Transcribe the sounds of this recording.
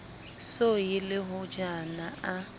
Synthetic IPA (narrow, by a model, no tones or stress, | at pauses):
sojɪlɪɦʊd͡ʒanaʔa